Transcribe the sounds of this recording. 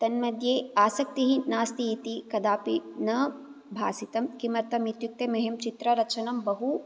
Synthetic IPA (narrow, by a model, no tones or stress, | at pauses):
t̪ɐnmɐd̪ʱjeːaːsɐk̚t̪iɦinaːst̪iːt̪ikɐd̪aːpinɐ | bʱaːsit̪ɐmkimɐɾt̪ɐmit̪juk̚t̪emɐɦemt͡ʃit̪ɾɐɾɐt͡ʃʰɐnɐmbɐɦu